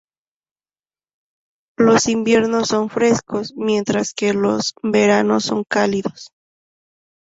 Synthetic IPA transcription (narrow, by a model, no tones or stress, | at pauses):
lo̞simbjeɾno̞sːo̞ɱfɾe̞sko̞smje̞nt̪ɾaske̞lo̞sbe̞ɾano̞sːo̞̰ŋkaliðo̞s